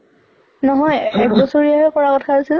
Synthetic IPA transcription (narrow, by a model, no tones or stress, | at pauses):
nɔɦɔjɛk̚dɔsoɹijaɦɛkɔɹakɔtʰaasil